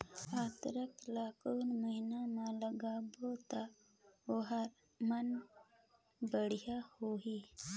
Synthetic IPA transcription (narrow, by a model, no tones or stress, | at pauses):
at̪ɾəklakunməɦinamãləɡabot̪a | oɦaɾ | mən | bəɽ̤jahoɦi